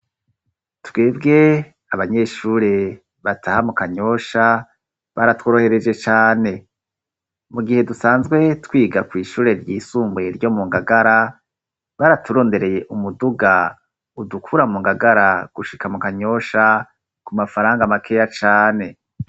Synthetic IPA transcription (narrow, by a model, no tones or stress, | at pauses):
tweːbɡe̞ | aβaɲe̞ːʃuːɾe̞ | βatʰahamukaɲo̞ʃa | βaɾatwoːɾohe̞ɾe̞d͡ʒe̞t͡ʃaːne̞ | muɡihe̞dusaːnzɡwe̞twiːɡakwiːʃuːɾe̞ɾɟiːsuːmbwe̞ɾjo̞muŋɡaɡaɾa | βaɾatʰuɾo̞ːnde̞ɾe̞je̞ʔumuduɡa | udukʰuɾamuːŋɡaɡaɾaɡ̥uʃikamukaɲo̞ʃa | kumafaɾaːŋɡamakʰeːjat͡ʃaːne̞